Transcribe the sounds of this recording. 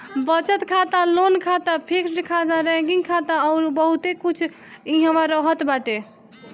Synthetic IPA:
bət͡ʃət̪kʰat̪alonkʰat̪apʰeksʈkʰat̪aɾɛ̃ɡiŋɡkʰat̪aɔʊɾbəɦut̪ekut͡ʃʰ | iɦə̃ʋaɾəɦət̪baʈe

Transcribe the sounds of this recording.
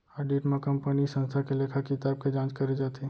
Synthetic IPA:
aːɖiːʈmẽkɐmpənisə̃nst̪ʰakeleːkʰəkɪt̪aːb̚ked͡ʒãːt͡ʃkɐɾed͡ʒaːt̪ʰeː

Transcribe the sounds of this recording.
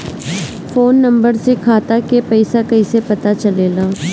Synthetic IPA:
foːnːɐ̃mbəɾsekʰaːt̪akepɛɪsakɐisepɐt̪at͡ʃɐleːlaː

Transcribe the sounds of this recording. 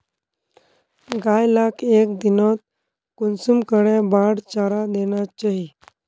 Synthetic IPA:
ɡajlakʰek̚d̪inɔt̪̚ | kunsumkəɽẽbaɽt͡ɕaɾad̪eɽ̃jat͡ɕaɦi

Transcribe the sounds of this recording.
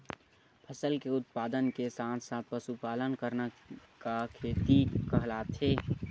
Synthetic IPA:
pʰəsəlkeʊt̪̚paːd̪ənkesãːt̪ʰsãpəsupaːlənkəɾnakakʰeːt̪ikəɦlaːt̪ʰeː

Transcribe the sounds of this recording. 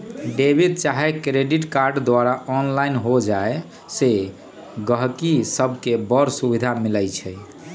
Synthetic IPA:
ɖebʱid̪̚t͡ʃaɦɛkɾeɖiʈkaɾɖd̪waɾaɔnlainɦod͡ʒae | se | ɡəɦkisəbʱkebəɾsubid̪ʱamiləjt͡ʃʰɛj

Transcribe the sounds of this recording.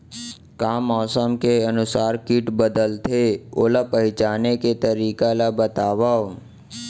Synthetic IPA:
kaːmːɔːsəmkeənʊsaːɾkiʈbəd̪əlt̪ʰeoːlapəɦɪt͡ʃaːneket̪əɾiːkalabət̪aːʋao

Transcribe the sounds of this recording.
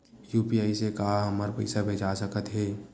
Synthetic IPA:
juːpiaːisekaɦaɦɐməɾpɐ̰ɪsabʱeːd͡ʒasəkət̪ɦɛː

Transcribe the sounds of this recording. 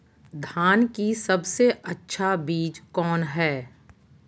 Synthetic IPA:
d̪ʱaːnkisɐbseʔɐtːʃʰabiːd͡ʒkɔːnɦɛː

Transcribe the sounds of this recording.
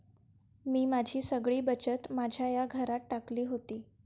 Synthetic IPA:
miːmad͡ʑʱiːsəɡɭiːbət͡ɕət̪mad͡ʑʱjajaɡʱəɾat̪̚ʈakliːɦot̪iː

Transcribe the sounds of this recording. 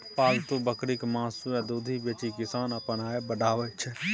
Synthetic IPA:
paːlt̪õbəkɾɪkmãːsuɛ̃d̪uːd̪ʱibeːt͡ʃikɪsaːnəpənaːebəɖaːʋət͡ʃʰɛ

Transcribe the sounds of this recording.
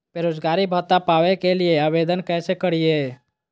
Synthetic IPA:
peɾod͡ʒɡaɾibʱət̪apaʋekelieaβed̪ənkɛsekəɾije

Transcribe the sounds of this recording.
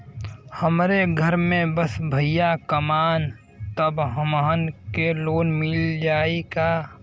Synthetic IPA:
həmɾeɡʱəɾmẽbəsbʱəɪjakəmaːn | t̪əbɦəmɦənkeloːnmɪld͡ʒaːekaː

